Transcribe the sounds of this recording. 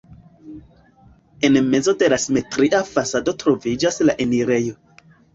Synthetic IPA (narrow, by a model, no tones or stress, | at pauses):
e̞nme̞zo̞de̞lasime̞tɾiʔafasado̞tɾo̞vid͡ʒaslaʔeniɾe̞jo̞